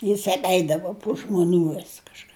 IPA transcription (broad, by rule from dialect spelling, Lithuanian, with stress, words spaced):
jɪs ɐpʲˈɛɪdɐʋʊ pʊ ʒmʊˈnʲuː ʋʲɪs kɐʃˈkɑː